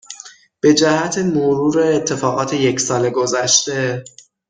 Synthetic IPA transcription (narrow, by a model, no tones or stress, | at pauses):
b̥e̞d͡ʒæhæt̪ʰemoɾuːɾeːt̪ʰːe̞fɒːɣɒːt̪ʰe̞je̞csɒːle̞ɡo̞zæʃt̪e̞